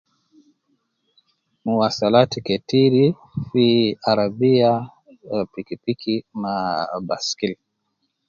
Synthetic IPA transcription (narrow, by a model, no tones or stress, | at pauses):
muwasalatikɛtiɾi | fiaɾabia | pikipikʰinabaskil